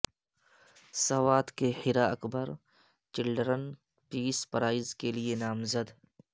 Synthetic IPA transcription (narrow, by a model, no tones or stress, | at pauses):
sɐwaːt̪kehɪɾaɐkbəɾ | t͡ʃɪlɖɾən | piːspɐɾaːɪzkelienaːmzəd̪